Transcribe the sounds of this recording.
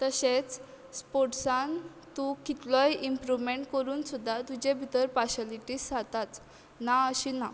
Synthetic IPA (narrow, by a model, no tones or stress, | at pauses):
t̪əɕet͡s | spoʈsãn | t̪ukit̪lɔjimpɾuʋmeɳʈkəɾuːnsud̪ʱːat̪ud͡ʑebʱit̪əɾpaɕaliʈiːsd͡zat̪at͡s | naəɕina